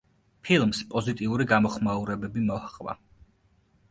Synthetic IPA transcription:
pʰilˠmspʼɔzit̪ʼiuɾiɡamɔχmauɾɛbɛbimɔhχʼva̰

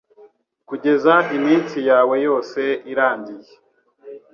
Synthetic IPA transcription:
kuɟe̞zaimiːnt͡sijaːwe̞jo̞ːse̞iɾaːɲɟije

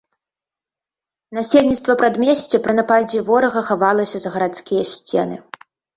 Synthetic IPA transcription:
nasʲelʲnʲit̪st̪vɐpɾad̪mʲɛsʲt͡sʲɛpɾɨnapad͡zʲivɔɾɐɣɐxavalˠɐsʲɐzɐɣɐɾat̪skʲijɐsʲt͡sʲɛnɨ

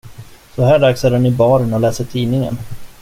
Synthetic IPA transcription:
sɔɦæːɖaksæːɾɛnɪbɑːɾnɔlɛːsəʈʰiːnɪŋə̰n

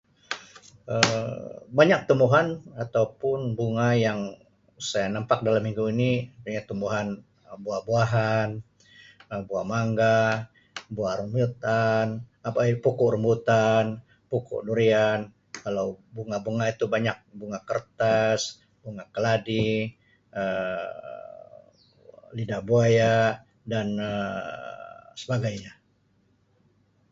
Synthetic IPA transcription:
ə | baɲak̚t̪umbuɦanat̪awpʊnbuŋajaŋ | sajanampak̚dalamːiŋɡuinipuɲat̪umbuɦan | buahbuaɦan | əbuahmaŋɡa | buahɾumbut̪anapapukuʔrəmbut̪an | pukṵʔnuɾian | kalawbuŋabuŋait̪ubaɲak̚buŋakərt̪as | buŋakəladi | ə | lidahbuaja | danə | səbaɡajɲa

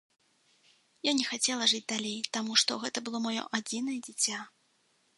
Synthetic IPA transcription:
janʲɛxat͡sʲɛlˠɐʐɨd͡zʲd̪alʲejt̪amuʂt̪ɔɣɛt̪ɐbɨlˠɔmajɔ̰ʔad͡zʲinɐjɛd͡zʲit͡sʲa

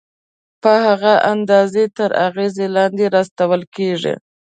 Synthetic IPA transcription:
pəhaɣaʔand̪ɑzet̪əɾa̰ɣezelɑnd̪eɾɑst̪awəlkeʐḭ

